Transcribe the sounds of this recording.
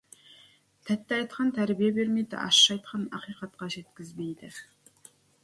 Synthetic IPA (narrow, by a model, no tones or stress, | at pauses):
t̪ʰæt̪ːɪɑjt̪qʰɑnt̪ʰæɾbijebe̞ɾmejd̪ɪ̰ʔɑ̰ʃːɑjt̪̚qʰɑnɑ̰qijqɑt̪qɑʒe̞t̪kʲɪzme̞jd̪ɪ